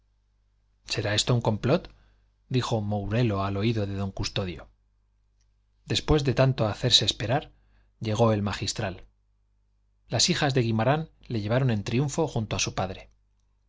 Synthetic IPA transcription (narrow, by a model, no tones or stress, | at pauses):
se̞ɾae̞st̪o̞uŋko̞mplo̞t̪ | d̪ixo̞mowɾe̞lo̞alo̞iðo̞ðe̞ðo̞ŋkust̪o̞ðjo̞̰ | d̪e̞spwe̞zðe̞t̪ant̪o̞aθe̞ɾse̞ːspe̞ɾaɾ | ʎe̞ɣo̞elmaxist̪ɾal | asixazðe̞ɣimaɾanle̞ʝe̞βaɾo̞nẽ̞nt̪ɾiuɱfo̞xunt̪oasupaðɾe